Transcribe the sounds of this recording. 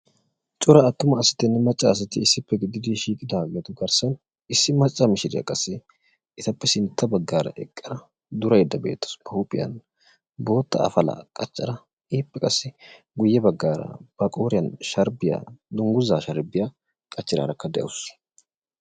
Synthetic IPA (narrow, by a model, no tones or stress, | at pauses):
t͡ʃʼʊɾɐːt̪ːʊmɐːsɪ̥t̪ːɪnːɪmɐt͡ʃʼːaːs̬ɐt̪ːɪɪsːɪpːɛɡɪd̪ɪd̪ɪʃiːkʼɪd̪ɐɐɡɛt̪ʊɡɐɾsɐn | ɪsːɪmɐt͡ʃʼːɐmɪʃɪd̪ɪjɐ̰kʼɐsːɪ | ɪt̪ɐpːɛsɪnt̪ʰːɐbɐɡːaːɾɐ̰ʔɛkʼːɪɾɐ | d̪ʊɾɐjɛd̪ːɐbḛːt̪ːɐ̥sbɐupʼɪjɐ̰n | bo̞ːt̪ːɐ̰ɐ̰fɐlɐ̰kʼɐt͡ʃːɐɾɐ | iːpːɛkʼɐsːɪ | ɡʊjːɛbɐɡːaːɾɐ̰b̥ɐkʼoːɾɪjɐnʃɐɾbɪjɐ̰d̪ʊŋɡʊzaːʃɐɾbɪjɐ | kʼɐt͡ʃːɪɾa̰ːɾɐkːɐd̪ɛʔɐ̰wʊs